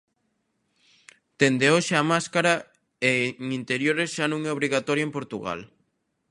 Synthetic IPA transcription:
t̪end̪eoʃeamaskaɾɐ | eŋint̪eɾjoɾesʃanõŋɛoβɾiɣat̪ɔɾjoempoɾt̪uɣa̰l

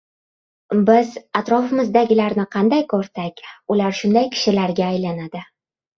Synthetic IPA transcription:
bɪzat̪ɾɒfɪmɪzd̪aɡʲɪlaɾnɪqʰɑnd̪ajkʰɵɾsakʲʊlaɾʃʊnd̪ajkʲʰɪ̥ʃɪlaɾɡʲaːjlanad̪ɪ

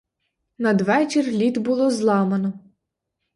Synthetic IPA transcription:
nɐd̪ʋɛt͡ʃirlʲit̪bʊlˠɔzlˠɑmɐnɔ

